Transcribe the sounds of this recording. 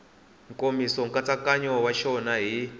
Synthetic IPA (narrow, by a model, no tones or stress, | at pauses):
ŋkʼomisɔŋkʼat͡sakaɲɔwaʃɔnaɦi